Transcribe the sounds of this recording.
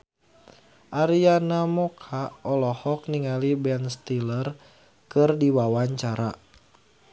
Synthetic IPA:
ʔaɾianamɔkʰaɔlɔhɔk̚niŋalibɛnst̪ilər | kɨrdiwawaɲt͡ʃaɾa

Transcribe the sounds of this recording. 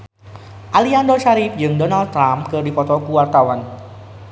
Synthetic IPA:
ʔaliandɔʃaɾip̚d͡ʒɨŋdɔnald̪̚t̪ːɾamkɨrdipɔt̪ɔkuwart̪awan

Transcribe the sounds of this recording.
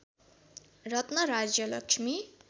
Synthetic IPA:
rʌt̪nʌɾad͡zjʌlʌkʂʰmi

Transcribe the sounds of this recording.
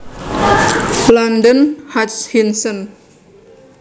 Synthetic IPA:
landənhatshinsən

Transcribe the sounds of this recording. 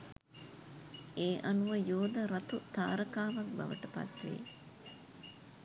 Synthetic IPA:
eːʔanuʋəjoːd̪əɾat̪ut̪aːɾəkaːʋak̚ba̰ʋə̰ʈəpa̰t̪ʋḛ

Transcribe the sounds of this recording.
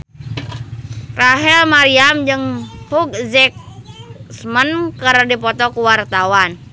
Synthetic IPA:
raɦɛlmaɾiamd͡ʒɨŋpuk̚zɛk̚smənkərdipɔt̪ɔkuwart̪awan

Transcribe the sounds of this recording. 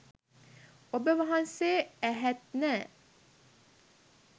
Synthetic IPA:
obəʋɑɦɑnseːæɦɛt̪̚nə

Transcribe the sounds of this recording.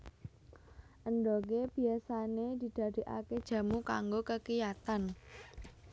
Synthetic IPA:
ʔənɖok̬eb̥i̤asaned̪̥i̤d̪̥ä̤d̪̥i̤ʔa̰ked̥ʒ̥ä̤muka̰ŋɡokəkijat̪an

